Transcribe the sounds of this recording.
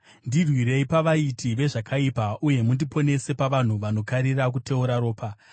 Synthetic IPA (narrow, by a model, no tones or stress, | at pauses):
ndirwiɾe̞ipaʋaitʰiʋe̞ʐakʰaipaʔuje̞mundipone̞se̞paʋan̤uʋano̞kaɾirakutʰe̞uɾaɾo̞ːpa